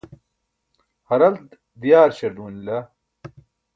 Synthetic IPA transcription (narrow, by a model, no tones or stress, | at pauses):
hɐɾɐlt̪ | d̪ijaːɾɕɐɾd̪uːnlɐ